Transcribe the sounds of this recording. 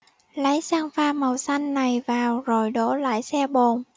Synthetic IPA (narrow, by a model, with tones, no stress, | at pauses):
lə˨˦jsaː˧ŋfaː˧mə˨˩wsa˧jŋ̟na˨˩jvaː˨˩wzo˨˩jɗo̰˧˥la̰ː˧˥˨jsɛ˧ɓo˨˩n